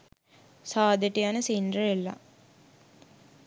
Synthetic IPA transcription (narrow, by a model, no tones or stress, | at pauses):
saːd̪eʈijanəsindrəelːa̰